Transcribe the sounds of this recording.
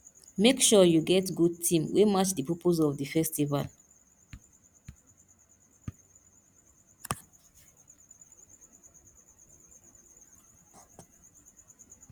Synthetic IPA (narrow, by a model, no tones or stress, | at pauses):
mekʃɔjuɡɛtɡud̚tʰĩmwʔemat͡ʃdipʰɔpʰozɔvdifɛstiva̰l